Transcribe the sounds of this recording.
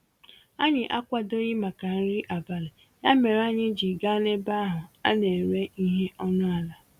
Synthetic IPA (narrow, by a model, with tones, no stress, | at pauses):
a˦ɲɪ˨ʔa˦kʷa˨do˦ɣɪ˦ma˨ka˨n̩˦ɾi˦ʔa˨ba˨lɪ˨ | ɲa˦me˨ɾa˦ɲɪ˦d͡ʒi˨ɡa˦ne˦ba˦ɦʊ˨a̰˦ne˨ɾe˦i˦ɦe˦ʔɔ˦nʊ˦a˨la˨